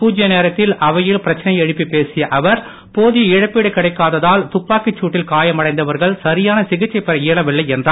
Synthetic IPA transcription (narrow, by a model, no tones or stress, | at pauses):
puːd͡ʒɪjɐneːɾɐt̪ːɪlʔɐʋɐjɪlpɪɾɐt͡ʃːɐnɐɪɛɻɯpːipeːsɪjɐʔɐʋɐɾ | poːðɪjɐɪɻɐpːeːɽɯkːɪɽɐɪkːaːðɐðaːlt̪ʊpːaːkɪt͡ʃːuːʈːɪlkaːjɐmɐɽɐɪnd̪ɐʋɐɾɣɐɭsɐɾɪjaːnɐsɪɣɪt͡ʃːɐɪpːɛɾɐjiɭɐʋɪɭːɐɪɛndraː